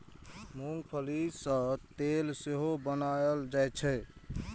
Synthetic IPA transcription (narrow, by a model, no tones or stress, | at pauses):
muŋpʰəlisə̃t̪elseɦobənald͡ʒajt͡ʃʰɛ